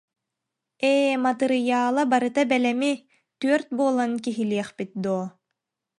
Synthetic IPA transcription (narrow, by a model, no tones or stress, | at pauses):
eːmat̪ɯɾɯjaːlˠabaɾɯt̪abɛlɛmi | t̪yœɾt̪̚buɔlˠankiɦiliɛχpit̪̚d̪uɔ